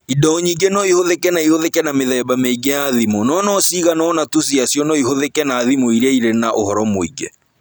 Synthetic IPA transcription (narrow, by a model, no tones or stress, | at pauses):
idɔɲiːɡenɔihoðekɛnaihoðekɛnameðɛːbameiɡejaðimonɔnɔsiɣanɔnatus̬iasjɔnɔihoðekɛnaːðimoiɾeiɾenaʔo̰hɔɾɔmoiɡɛ